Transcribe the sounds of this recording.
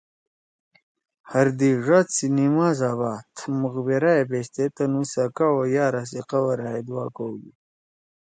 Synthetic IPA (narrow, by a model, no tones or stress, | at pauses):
hɐɾd̪iʐat͡sinimaːzaːβaːt̪ʰmuɣbeɾajebeːst̪et̪ɐnusɐkawojaːɾas̬iqawɐɾaːed̪waːkowɡḭ